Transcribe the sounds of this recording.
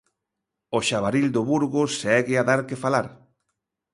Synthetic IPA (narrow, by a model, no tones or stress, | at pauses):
oʃaβ̞aɾild̪oβuɾɣʊsɛɣeaðaɾkefalaɾ